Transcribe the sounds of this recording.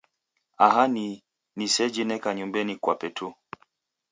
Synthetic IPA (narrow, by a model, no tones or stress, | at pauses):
aɦani | nisɛd͡ʒinɛkaɲumbɛnikwapɛtʰu